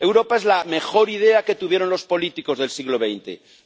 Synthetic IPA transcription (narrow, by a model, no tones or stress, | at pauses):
e̞wɾopae̞zlame̞xo̞ɾið̞e̞ake̞t̪uβ̞jeɾo̞nlo̞spo̞lit̪iko̞zðelsiɣlo̞β̞ejnt̪e̞̰